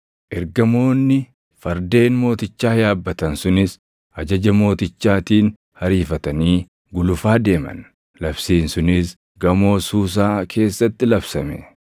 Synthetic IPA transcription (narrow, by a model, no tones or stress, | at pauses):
ʔɛɾɡɐmo̞ːnːɪ | fɐɾd̪e̞ːnmo̞ːt̪ɪt͡ʃːaːjaːbːɐt̪ɐnsʊnɪs | ʔɐd͡ʒɐd͡ʒɐmo̞ːt̪ɪt͡ʃːaːt̪iːn | hɐɾiːfɐt̪ɐniː | ɡʊlʊfaːd̪e̞ːmɐ̰n | lɐbsiːnsʊnɪs | ɡɐmo̞ːsuːs̬aːkʰe̞ːsːɐt̪ːɪlɐbsɐmɛ̰